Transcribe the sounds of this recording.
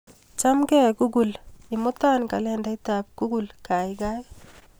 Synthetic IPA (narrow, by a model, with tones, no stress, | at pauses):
t͡ʃa˦mɡɛ˦ku˦ɡu˨lɪ˨mʊ˦ta˦nka˨lɛnda˦itap̚ku˦ɡu˨lka˨jɡa˦j